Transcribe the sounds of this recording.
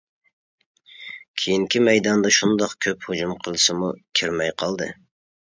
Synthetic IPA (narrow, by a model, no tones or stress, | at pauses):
kʲʰejiŋkʲʰimɛjd̪ɑnd̪ɑʃund̪ɑqkʲʰøphod͡ʒumqʰəlˠɨsɨmukʲʰiɾmɛjqʰɑlˠd̪ɨ̰